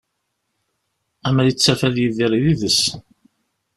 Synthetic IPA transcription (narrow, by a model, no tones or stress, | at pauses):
æmælit͡sːæfæðjiðiɾˤiðiðəs